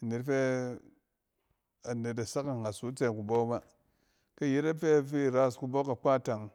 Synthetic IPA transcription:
ne˨ɾfe˦ | a˨ne˨ta˨sa˦ka˨ŋa˨su˦t͡se˨ku˨bo˦ba˦ | ka˦je˦ɾe˦fe˦˨fi˦˨ɾa˦˨sku˨bo˦ka˨k͡pa˦˨ta˨ŋ

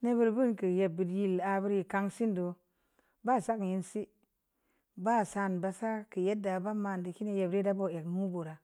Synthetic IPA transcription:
ne˦bu˦ɾbu˦nkə˨je˨bːi˨dji˦la˨bi˦ɾji˨ka˦ŋsi˦ndo˨ | ba˦˨sa˦kji˨nsi˦ | ba˦˨sa˨nba˨sa˦kə˨je˦dːa˨ba˦ma˨ndi˨ki˦ne˦je˨ɾe˦da˦bo˦˨e˨knu˦bo˨ɾa˨

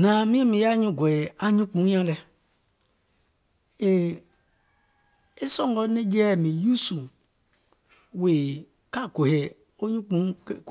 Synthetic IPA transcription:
nã˨mĩ˦ɛ̃˦˨mĩ˨ja˦ɲũ˧˨ɡo˨je˨a˨ɲĩ˦k͡pũ˨˦ɲã˧˦lɛ˧ | e˨ | e˦sɔ̃˦˨ŋɡɔ˧˦nɛ̃˦d͡ʒɛː˦˨mĩ˨ju˦su˨ | we˨ | ka˦˨ɡo˨he˨ | o˦ɲũ˦k͡pũ˨˦˨

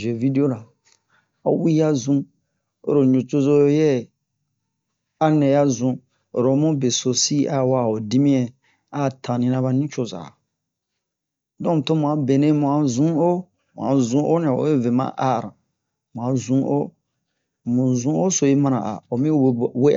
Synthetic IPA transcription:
ʒe˨vi˦de˦o˦ɾa˨ | a˦wi˦a˦zũ˦ | o̰˦ɾo˨ɲũ˨t͡ʃo˦zo˦o˦jɛ˦˨ | a˦nɛ̃˨ja˦zũ˦ | o˨ɾo˨˦mũ˦be˨so˨si˦a˦˨wa˦˨o˨di˦mĩ˦ɛ̃˨ | a˦˨tʰã˨nĩ˨nã˦ba˨nĩ˦t͡ʃo˦za̰˨ | dɔ̃˦m˨to˦mũ˨ã˨be˨nẽ˦mũ˨ã˨zũ˦o˦ | mṵ̃˨ã̰˨zũ˦ʔo˦nĩ˨ã˨o̰˨˦e˦ve˨mã̰˦ʔa˨ɾã̰˨ | mũ˨ã˨zũ˦ʔo̰˦ | mũ˨zũ˦o˦so˨i˦mã˦nã̰˨ʔa̰˨o˨mĩ˦˨we˦

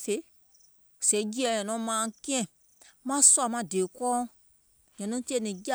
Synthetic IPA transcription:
fe˨˦˨ | sɛ˨˦d͡ʒi˦ɛ˨ɲɛ̃˨nɔ̃˨˦mãː˨˦˨kĩ˦ɛ̃˦˨ | mã˦swa˨mã˧˦˨deː˨kɔː˦ | ɲɔ̃˨nɔ̃˦ti˦e˦˨nĩ˨ɡa˦

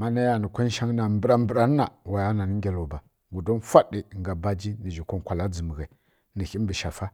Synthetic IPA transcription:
ma˦na˦ja˨nə˨kʷa˦n˦ʃa˦ŋ˦na˨m˦bə˦ɾa˦m˦bə˦ɾa˦n˦a˨wa˨ja˦na˨ni˦ɡʲa˨lo˨ba˨ | ɡu˨do˦n˦fʷa˦di˨ŋɡa˨ba˦d͡ʒi˦ni˨d͡ʒi˨kʷo˦ŋ˨kʷa˨la˦d͡zə˨mə˨ɣe˨ | ni˨xi˦bə˨ʃa˨fa˦

